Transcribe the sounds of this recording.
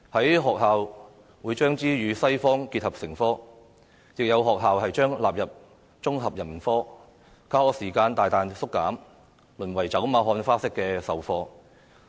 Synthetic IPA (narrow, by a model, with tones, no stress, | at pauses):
hɐ˨˥jɦɔː˨k̚haː˨w | wuː˨˧jt͡ʃœː˥ŋt͡siː˥ɥyː˨˧sɐ˥jfɔː˥ŋki˧t̚hɐ˨p̚sɪ˨˩ŋfɔː˥ | jɪ˨k̚jɐ˨˧wɦɔː˨k̚ɦaː˨whɐ˨jt͡ʃœː˥ŋlaː˨p̚jɐ˨p̚ | t͡ʃʊ˥ŋɦɐ˨p̚jɐ˨˩nfɔː˥ | kaː˥wɔː˧siː˨˩kaː˧nt̪aː˨jt̪aː˨nsʊ˥kːaː˨˥m | lɵ˨˩nwɐ˨˩jt͡sɐ˨˥wmaː˨˧ɦɔː˧nfaː˥sɪ˥kːɛː˧sɐ˨wfɔː˧